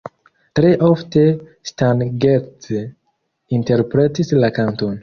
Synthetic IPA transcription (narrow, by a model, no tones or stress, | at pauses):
tɾe̞ʔofte̞stanɡet | inte̞ɾpɾe̞tislakanton